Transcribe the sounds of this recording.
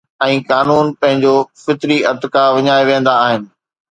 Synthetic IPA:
ɛ̃ːkaːnuːnpɐ̃ɦɪ̃ɲd͡ʑofɪt̪ɾiʔɐɾt̪ɪkaʋɐɲaːeʋẽːn̆d̪aːɦɪnɪ̆

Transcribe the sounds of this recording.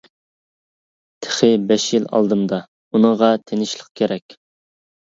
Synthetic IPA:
t̪ʰɪ̥χɪbɛʃjilɑ̰lˠd̪ɨmd̪ɑ | unɨʁɑt̪ʰenɪʃlˠəq̚kʲʰeɾɛkʲ

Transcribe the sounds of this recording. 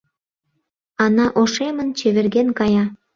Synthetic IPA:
ɑnɑʔoʃemə̆nt͡ɕeβerɣenkɑjɑ

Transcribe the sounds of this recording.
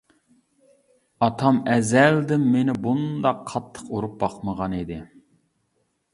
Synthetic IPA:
ɑt̪ʰɑmɛzɛld̪ɪmːenɪbund̪ɑqʰːɑt̪ʰːə̥quɾup̚bɑqməʁɑnid̪ɪ

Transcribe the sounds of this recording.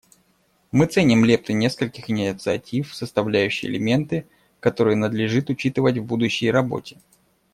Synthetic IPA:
mɨt̪senʲɪmlʲep̚t̪ɨnʲe̞skəlʲkʲɪxɪnʲɪt̪sɨɐtʲifsəst̪ɐvlʲæjʉɕːɪjɪ̰lʲɪmʲe̞nt̪ɨ | kɐt̪o̞ɾɨjənəd̪lʲɪʐɨt̪ʊt͡ɕit̪ɨvətʲvbud̪ʊɕːɪjrɐbo̞̰tʲɪ̥

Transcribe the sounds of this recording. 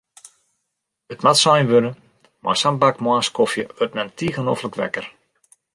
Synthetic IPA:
ətmatsɔjnʋønə | mʔɔ̰jsambakmwaːskofjə̰øtmɛntiːɣənofləkʋɛ̰kər

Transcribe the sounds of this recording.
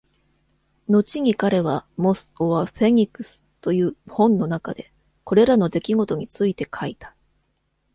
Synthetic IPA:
no̞t͡ɕiɲ̟ikaɾe̞β̞amo̞sɨ̥o̞βaɸe̞ɲ̟ikɯsɨ̥t̪o̞jɯ̟ːhõ̞nːo̞naka̰d̪e̞ | ko̞ɾe̞ɾano̞d̪e̞kʲiɡo̞t̪o̞ɲ̟it͡sɨit̪e̞kʰait̪ḁ

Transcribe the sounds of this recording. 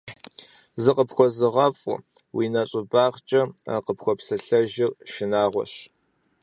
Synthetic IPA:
zɨqəpxʷɔzɨʁɐfʼʊ̰ | wiːnɐɕʼɪbaːʁt͡ʃʼɐa̰qəpxʷɔpsɨɬɐʒɪrʃɪnaːʁʷɔ̰ɕ

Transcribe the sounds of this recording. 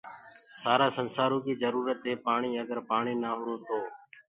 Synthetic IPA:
saːɾaːsənsaːɾõːkiːzəɾuːɾət̪ɦeːpaːɳiːəɡəɾpaːɳiːnaːɦʊɾoːt̪oː

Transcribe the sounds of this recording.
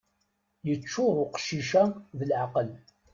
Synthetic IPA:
jət͡ʃːʊɾʊqə̥ʃiʃæðəlʕaqəl

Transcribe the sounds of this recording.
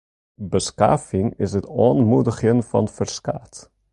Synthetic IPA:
bəska̰ːfɪŋɪsɦətɔoːnmudəχənfɑ̰nfərskaːt

